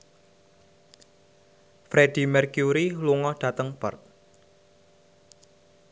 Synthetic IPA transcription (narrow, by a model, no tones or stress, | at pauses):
fɾed̥i̤mɛrkjuɾiluŋɔɖ̥ä̤t̪əŋb̥ə̰rt̪̚